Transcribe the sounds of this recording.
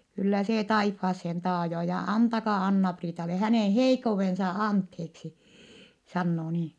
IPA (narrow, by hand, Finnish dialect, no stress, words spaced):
kylːæ seː tɑifːɑːsːen tɑːjoː jɑ ɑntɑkɑ ɑnːɑpriːtɑle hæneˑn heikːouʋensɑ ɑntheːksi sɑnːoː niː